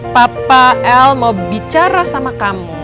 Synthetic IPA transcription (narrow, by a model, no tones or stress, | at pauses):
papaɛlmaubit͡ʃaɾasamakamu